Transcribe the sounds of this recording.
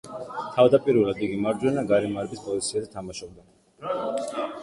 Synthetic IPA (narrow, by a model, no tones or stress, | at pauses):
t̪ʰavd̪apʼiɾulˠad̪iɡimaɾd͡ʒ̪wɛnaɡaɾɛmaɾɛbispʼɔzit̪sʰiazɛt̪ʰamaʃɔb̚d̪a